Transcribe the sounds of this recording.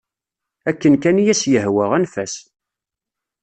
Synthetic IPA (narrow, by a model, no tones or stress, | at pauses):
ækːənkænjæsjəhwəʁænfæs